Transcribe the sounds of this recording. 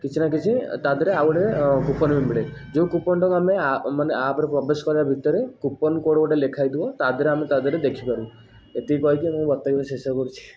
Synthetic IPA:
kit͡ʃʰinak̬it͡ʃʰit̪ad̪ɔɾeawɔʈekupɔnmimbiɽed͡ʒeũkupɔɳʈɔŋameamaneapɾepɾɔbeskɔɾabʱit̪ɔɾekupɔnkoɽɔʈelekʰajd̪iɔt̪ad̪ɔɾeamet̪ad̪ɔɾed̪ekʰipaɾũ | et̪ikɔikimũbɔt̪ːaɡibesesɔɾkɔɾut͡ʃʰi̥

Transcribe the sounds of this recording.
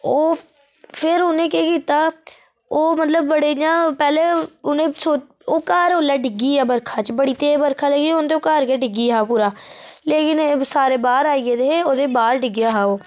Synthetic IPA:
oː | pʰɪɾʊnẽːkeːkiːt̪aː | oːmət̪ləbːəɽeːd͡ʒãːpɛːleːʊnẽːsoː | oːkaːɾoːlaːɖɪɡiːaːbəɾkʰaːt͡ʃbəɽiːt̪eːbəɾkʰaːləɡiont̪̬eoːkaːɾkeːɖɪɡiːɦaːpuːɾaːleːkɪnsaːɾeːbaːɾaːied̪eːeoːd̪eːbaːɾɖɪɡjaːɦaːoː

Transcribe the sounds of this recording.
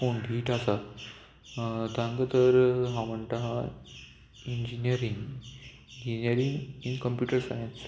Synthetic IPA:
foɳɖʱiːʈasa | t̪ãŋɡət̪əɾɦãm̤əɳʈaɦã | ind͡ʑinijəɾiŋɡ | ind͡ʑinijəɾiŋɡinkəmpjuʈəɾsajəns

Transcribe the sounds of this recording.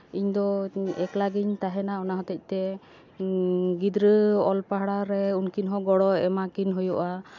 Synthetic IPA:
iɲd̪ɔɛklaɡiɲt̪aɦɛnaɔnaɦɔt̪ɛc̚ˀt̪ɛ | ɡid̪ɾəɔlpaɦɽaɾɛunkinɦɔɡɔɽɔɛmakinɦujɔʔa

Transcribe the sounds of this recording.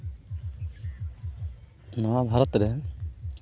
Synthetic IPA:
nɔwabʱaɾɔt̪ɾɛ

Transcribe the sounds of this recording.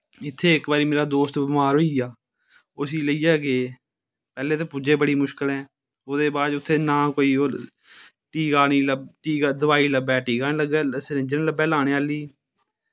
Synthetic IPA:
ɪt̪ʰːeːɪkbaːɾiːmeːɾaːd̪oːst̪bɪmaːɾɦoːijaː | ʊsiːləiːɛːɡeː | pɛːleːt̪eːpud͡ʒeːbəɽiːmʊʃkəlɛ̃ː | oːd̪eːbaːd͡ʒʊt̪ʰːeːnãːkoːiːoː | ʈiːkaːniːləʈiːkːd̪ʊʋaːiːləbɛːʈiːkaːnẽːləɡɛːsɾɪ̃d͡ʒənləbɛːlaːɽ̃eːaːliː

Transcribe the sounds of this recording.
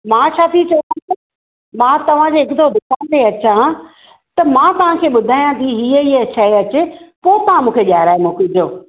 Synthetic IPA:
mãːt͡ɕʰaːt̪ʰit͡ɕɐãt̪e | mãːt̪ɐʋ̤ãd͡ʑeːɪkɪd̪ʰod̪ɪkʰãnd̪eɐt͡ɕã | t̪ɐmãːt̪ɐʋ̤ãkʰeːɓʊd̪ʱaːjãt̪ʰiɦiːəiɐt͡ɕʰaɦeɐt͡ɕepoːɪt̪ɐʋ̤ãmũːkʰeʄaːɦɪɾaːemũːkɪd͡ʑoː

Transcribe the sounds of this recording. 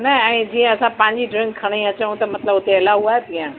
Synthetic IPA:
nɐɛ̃ːd͡ʑiːə̃ɐsãpãːɲd͡ʑiɖɾɪ̃ŋɡkʰːɐɽ̃ĩɐt͡ɕə̃ũt̪ɐmɐt̪ləbʊt̪eɐlaɦuaːɦet̪ĩjã

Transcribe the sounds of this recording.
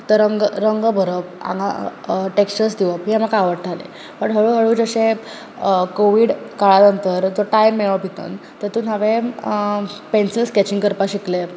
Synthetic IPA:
t̪əɾəŋɡɾəŋɡbʱəɾəp̚ã̰ŋɡa̰ʈeksəɾsd̪iʋəpɦĩɦamakaaʋəɾt̪ʰalḛ | pəʈɦəɭuːɦəɭuːd͡zəɕẽ | koʋiːɖkaɭanənt̪əɾd͡zoʈajmːeɭəbʱit̪ə̰nt̪əɾt̪uːnɦaʋẽ | pensilskɛt͡ɕĩŋɡkəɾpaɕikle

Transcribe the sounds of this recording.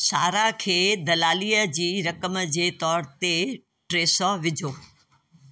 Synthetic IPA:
saːɾakʰeːd̪ɐlaːlijəd͡ʑiːɾɐkəmd͡ʑeːt̪ɔːɾt̪e | ʈɾeːsɔːʋɪd͡ʑʱoː

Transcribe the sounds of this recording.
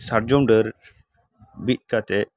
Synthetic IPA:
saɾd͡ʒɔmɖəɾ | bit̪̚ˀkat̪ɛ

